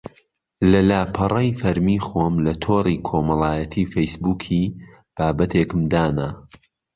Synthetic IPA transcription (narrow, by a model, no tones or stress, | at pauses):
lɐlaːpʰɐrˤɐjfɐɾmiːxoːmlɐt̪ʰoːriːkʰoːmɐlˠaːjɐt̪ʰiːfejsbuːkʰiː | b̥aːbɐt̪ʰeːkɨmd̪aːna